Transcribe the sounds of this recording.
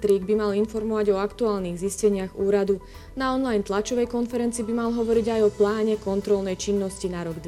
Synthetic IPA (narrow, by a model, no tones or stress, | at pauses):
t̪ɾiːɡbimalinfɔɾmɔʋaɟɔakt̪uaːlniːɣziscɛɲɪaɣuːɾad̪u | naɔnlajnt̪lat͡ʃɔʋɛjkɔnfɛɾɛnt͡siːbimalɦɔʋɔɾiɟajɔplaːɲɛkɔnt̪ɾɔlnɛjt͡ʃinːɔscinaɾɔɡd̪